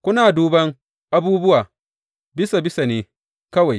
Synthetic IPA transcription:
kʷʊ˦naː˨duː˨bɐ˦ŋ | ʔa˦buː˦bʊ˦waː˨ | bɪ˦sa˨bɪ˦sa˨neː˨˦ | kɐ˦wa˨j

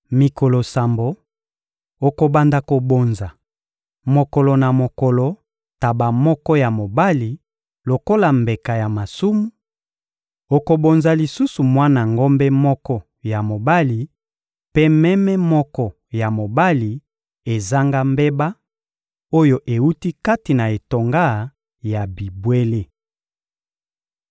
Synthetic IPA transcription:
mi˨ko˨lo˨sa˨mbo˨ | o˨ko˨ba˨nda˨ko˨bo˨nza˨ | mo˨ko˨lo˨na˨mo˨ko˨lo˨ | ta˨ba˨mɔ˦kɔ˦ja˨mo˨ba˦li˨ | lo˨ko˦la˨mbe˨ka˨ja˨ma˨su˦mu˦ | o˨ko˨bo˨nza˨li˨su˦su˨mwa˦na˨ŋɡo˦mbɛ˦mɔ˦kɔ˦ | ja˨mo˨ba˦li˨ | pe˦mɛ˦mɛ˦mɔ˦kɔ˦ | ja˨mo˨ba˦li˨ | e˨za˦ŋɡa˦mbe˦ba˦ | o˦jo˦ʔe˨wu˦ti˦ka˦ti˨na˨e˨to˨ŋɡa˦ | ja˨bi˨bwe˦le˦

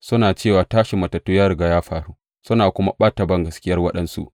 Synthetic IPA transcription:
sʊ˦naː˨t͡ʃeː˦˨waː˨taː˦ʃi˨mɐ˨tɐ˨tːuː˦jaː˦ɾʊ˨ɡa˨jaː˦ɸaː˨ɽuː˦ | sʊ˦naː˨kʷʊ˦ma̰˦ɓaː˦ta˨bɐ˦ŋɡɐ˨skʲɪ˦jɐ˦rwɐ˦ɗɐ˦nsṵ˦ʔ

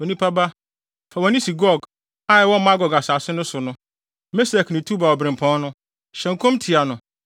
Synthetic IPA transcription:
ɔ˨nĩ˦pʰa˦ba˦ | fa˨wɔ˨nɪ̃˦si˨ɡɔ˦˨ɡ | a˦ɛ˨wɔ̃˦mã˦ɡɔ˨ɡa˨saː˨sɪ˦nʊ̃˦sʊ˨nʊ̃˦ | me˦sɛ˨knɪ̃˨tʰu˦ba˨wɔ˨bɾɪ̃˨mpʰɔ̃˦n˦nʊ̃˦ | ɕɛ̃˨ŋ̩˨kʰõ˦mtʰɪ˨a˨nʊ̃˨

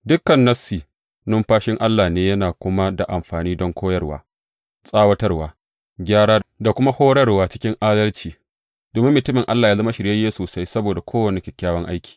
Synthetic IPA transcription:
dʊ˦kːɐ˨nːɐ˦siː˨ | nʊ˦mɸaː˦ʃɪ˦ŋʔa˦lːaː˨neː˦jɐ˦naː˨kʷʊ˦ma˦da˨ʔa˨mɸaː˨niː˦dɔ˦ŋkʰʷoː˦jɐ˦rwa̰ː˦ | sʼaː˦wɐ˦tɐ˦rwaː˨ | ɡʲaː˦ɽaː˦da˨kʷʊ˦ma˦hoː˦ɽɐ˦rwaː˦t͡ʃɪ̥˦kʲɪ˦ŋʔaː˦dɐ˦lt͡ʃiː˨ | doː˨mɪ˦mːʊ˨tʊ˦mɪ˨ŋʔa˦lːaː˨jaː˦zɐ˦ma˦ʃɪ˨ɾja˦jeː˦soː˨sa˦jsɐ˦boː˨da˨kʷʰoː˦wɐ˨ni˨kʲɪ˨kʲːaː˦wɐ˦ŋʔa˦jkʲʰi̥ː˨

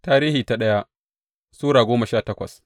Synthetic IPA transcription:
taː˦ɾiː˦hiː˨ta˦ɗɐ˦ja˦ʔ | suː˦ɽaː˨ɡʷoː˦mɐ˨ʃaː˦˨tɐ˦kʷɐ̰˨s

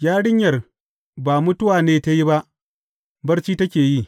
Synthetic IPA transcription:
jaː˦ɽɪ˦ɲjɐ˨r | baː˨mʊ˦tʊ˦waː˨neː˨ta˦ji˦ba˦ʔ | bɐ˦rt͡ʃiː˦tɐ˦kʲeː˨ji˦˨

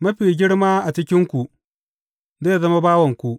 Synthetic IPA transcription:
mɐ˦ɸiː˨ɡʲɪ˦ɽmaː˦ʔa˨t͡ʃɪ˦kʲɪ˦ŋkʷu˨ʔ | zaː˦ja˨zɐ˦ma˦baː˦wɐ˨ŋkʷu˨ʔ

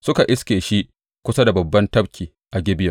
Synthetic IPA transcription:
sʊ˦ka˨ʔɪ˦skʲeː˨ʃi˦ʔ | kʷʊ˦sɐ˦da˨bɐ˨bːɐ˦ntɐ˦bkʲiː˨ | ʔa˨ɡʲɪ˦bɪ˦jɐ˨

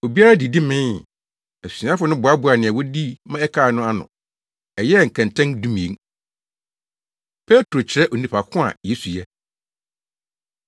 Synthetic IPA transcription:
o˨bi˦a˦ɾa˦di˨di˦mɪ̃˦n˨ | ɛ˨sĩ˨ã˦fʊ˨˦nʊ̃˦bʊ˨a˦bʊ˨a˨nɪ̃˨ɛ˨wɔ˦di˦mã˦ɛ˦kʰaː˨nʊ̃˦a˦nʊ̰̃˨ | ɛ˨jɛ˦˨ŋ̩˨kʰã˨ntʰɛ̃˦ŋdũ˦mĩ˨ẽ˦ŋ | pʰɛ˦tʰɾo˨t͡ɕʰɪ˨ɾɛ˦ʔo˨nĩ˨pʰa˨kʰʊ̃˦a̰˨jɛ˦su˨jɛ˦

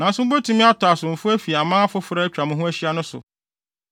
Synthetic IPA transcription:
nã˨n̩˦sʊ˦m̩˦bo˦tʰũ˦mɪ̃˦a˦tʊ˨a˨sʊ̃˨m̩˨fʊ˦æ˦fi˨a˨mãː˦a˦fʊ˦fʊ˦ɾa˦æ˦t͡ɕᶣɾa˨mʊ̃˦ɦʊ̃˦æ˦ɕi˦a˦nʊ̃˦sʊ̰˨

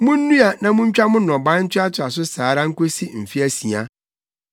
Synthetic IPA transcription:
mʊ̃˦n̩ː˦ũ˦a˨nã˨mʊ̃˦ɲ̩˦t͡ɕᶣa˦mʊ̃˦nːɔ̃˨bã˦n̩˦t͡ɕʰɪ˦a˦tʰɪ˦a˨s̬ʊ˦saː˨˦ɾa˦ŋ̩˦ko˦si˦m̩˨fi˦æ˦sĩ˨a˦

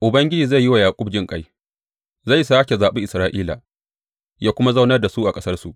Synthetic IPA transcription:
ʔʊ˨bɐ˦ŋɡʲɪ˦d͡ʒiː˨za˦˨jːi˦wa˨jaː˨kʷʼʊ˦b̚d͡ʒɪ˦ŋkʼa˦j | za˦˨jsaː˦kʲe˨zaː˨ɓe˦ʔɪ˨sɾaː˦ʔiː˦la̰˨ | jaː˦kʷʊ˦ma˦za˦wnɐ˦rda˨su˦ʔa˨kʼɐ˦sɐ˦rsu˨ʔ

